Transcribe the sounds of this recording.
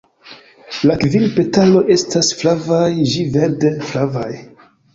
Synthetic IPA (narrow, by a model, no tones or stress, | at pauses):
lakvilpe̞talo̞ʔe̞stasflavajʒiveɾdeflavaj